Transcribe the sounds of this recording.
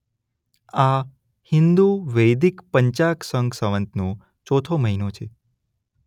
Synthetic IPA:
a | hɪnd̪uʋəjd̪ikpəɲt͡ʃaksəŋɡsəʋə̃nt̪nõ | t͡ʃot̪ʰoməɦinõt͡ʃʰe

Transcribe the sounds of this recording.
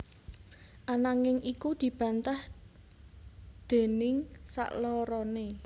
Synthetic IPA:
ʔanaŋɪŋʔikud̪̥i̤b̥ä̤nt̪ah | d̪̥e̤nɪŋsa̰ʔlɔɾɔne

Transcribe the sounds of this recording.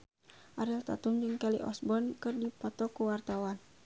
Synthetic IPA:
ʔaɾilt̪a̰t̪uŋd͡ʒɨŋkɛlḭʔɔ̰sbɔnkɨrdipɔt̪ɔkuwart̪awan

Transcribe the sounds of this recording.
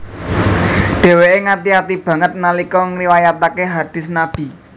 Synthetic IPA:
ɖ̥e̤weʔeŋat̪iat̪ib̥ä̤ŋət̪̚nalikɔŋriwajat̪akeɦad̪̥ɪ̤snab̥i̤

